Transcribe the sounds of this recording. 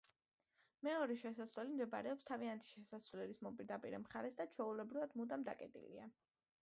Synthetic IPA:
mɛɔɾɛʃɛsasvlɛlimd̪ɛba̰ɾɛɔpst̪ʰaviant̪ʰi̥ʃɛsasvlɛlismɔpʼiɾd̪apʼiɾɛmχaɾɛsd̪at͡ʃʰwɛulɛbɾivad̪mud̪amd̪a̰kʼɛt̪ʼḭlḭa

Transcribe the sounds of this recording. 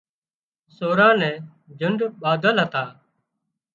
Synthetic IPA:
soːɾãːnɛ̃ː | d͡ʒʱʊɳɖɓaːd̪əlɦət̪aː

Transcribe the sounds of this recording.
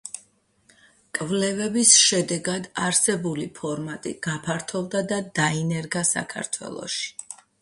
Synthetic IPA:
kʼvlɛvɛbisʃɛd̪ɛɡad̪aɾsɛbulipʰɔɾmat̪ʼḭɡ̥apʰaɾt̪ʰɔvd̪ad̪ad̪ainɛɾɡasa̰kʰa̰ɾt̪ʰwɛ̰lˠɔ̰ʃi̥

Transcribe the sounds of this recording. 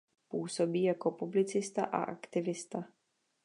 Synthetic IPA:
puːso̞biːjako̞publɪt͡sɪst̪a̰ʔa̰ʔa̰kt̪ɪvɪst̪a

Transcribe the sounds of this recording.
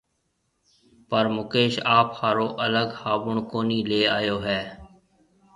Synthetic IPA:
pəɾmʊkeːʃaːphaːɾoːʔələɡhaːbʊɳkoːniːleːaːjoːɦɛː

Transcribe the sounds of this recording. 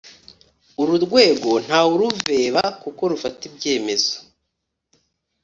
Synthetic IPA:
uɾuɾɡwe̞ːɡo̞n̥haːuɾuve̞ːβakuko̞ɾufatibɟe̞ːme̞zo

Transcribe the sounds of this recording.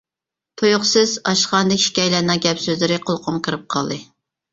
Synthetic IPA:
t̪ʰojʊχsɨzɑʃχɑnd̪ɪkʲʃi̥kʲɛjlænɨŋɡʲɛpsøzlɪɾɪqʰolˠqʰʊmkʰɨɾɨp̚qʰɑ̰lˠd̪ɨ

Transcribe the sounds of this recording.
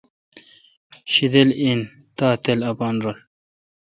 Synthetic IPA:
ɕid̪elin | t̪aːt̪elɐpɑːnɾol

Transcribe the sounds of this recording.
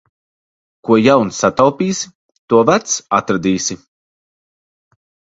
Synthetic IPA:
kuɔjawnsat̪awpiːsi | t̪uɔvæt̪sat̪ɾad̪iːsʲi

